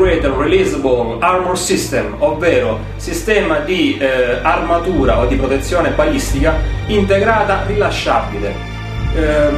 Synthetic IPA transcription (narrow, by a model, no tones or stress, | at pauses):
uɛːt̪erilizabolarmonsist̪ɛmovːɛːɾʊ | sist̪ɛːmad̪iarmat̪uːɾaod̪ːipɾot̪et̪sːjɔːnebalist̪ikaint̪eɡɾaːt̪arilaʃːabilḛ